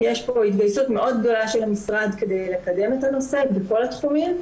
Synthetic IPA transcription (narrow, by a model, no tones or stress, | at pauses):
jeʃpo̞hit̪ɡajsut̪me̞ʔo̞d̪̚ɡd̪o̞laʃelhamisʁad̪ke̞d̪e̞jle̞kad̪e̞met̪ano̞se̞beko̞lat̪χumim